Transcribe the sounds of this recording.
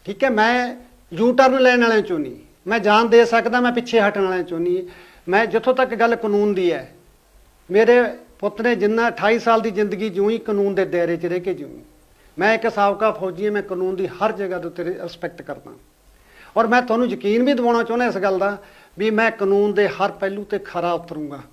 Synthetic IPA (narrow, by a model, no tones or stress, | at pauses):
ʈʰiːkɛːmɛ̃ː | juːʈəɾənlɛːnəɭẽːt͡ʃoːnḭː | mɛ̃ːd͡ʒaːnd̪eːsəkd̪ãːmɛ̃ːpɪːʃʰeːɦəʈnaːɭẽːt͡ʃoniː | mɛ̃ːd͡ʒɪt̪ʰːõːt̪əkɡəlːkənuːnd̪iːɛː | meːɾeːpʊt̪ɾẽːd͡ʒɪnːãːəʈʰaːiːsaːld̪iːzɪ̃nd̪əɡiːd͡ʒoːiːkənuːnd̪eːd̪ɛːɾeːt͡ʃəɾeːkeːd͡ʒoṵ̃ḭ̃ː | mɛ̃ːɪksaːʋkaːpʰoːd͡ʒɪːãːmɛ̃ːkənuːnd̪iːhəɾd͡ʒəɡaːd̪eːʊt̪ːeːɾɪspɛk̚ʈkəɾd̪ã̰ː | ɔːɾmɛ̃ːt̪ʊwaːnũːjəkiːnbʱiːd̪aːnaːt͡ʃoːnãːɪsɡəld̪aː | ʋiːmɛ̃ːkənuːnd̪eːhəɾpɛːlũːt̪eːkʰəɾaːt̪ːəɾũːɡaː